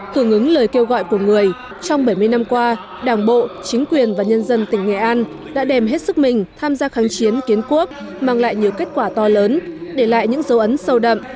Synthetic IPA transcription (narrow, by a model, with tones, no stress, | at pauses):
h̪ɨ˧˩əŋʔɨ˨˦ŋləː˨˩jke˧wɣɔ̰˧˨jku˧˩əŋɨ˨˩əj | t͡ɕɔ˧wŋ͡mɓə˧˩jmɨ˧jna˧mkwaː˧ | ɗaː˧˩ŋɓo̰˧˨t͡ɕï˨˦ŋ̟kwi˨˩ənvaː˨˩ɲə˧nzə˧nt̪ï˧˩ŋ̟ːɛ̰˧˩ʔaː˧n | ɗa̰ː˧˥ɗɛ˨˩mɦe˦˥t̚sɨ˦˥k̚mï˨˩ŋ̟t̪ʰaː˧mzaː˧xaː˨˦ŋt͡ɕi˨˦ənki˨˦ənku˦˥ək̚ | maː˧ŋla̰ː˧˨jɲi˨˩əwke˦˥t̚kwaː˧˩t̪ɔ˧ləː˨˦nɗe˧˩la̰ː˧˨jɲɨ̰˧˥ŋzə˨˦wʔə˨˦nsə˧wɗə̰˧˨m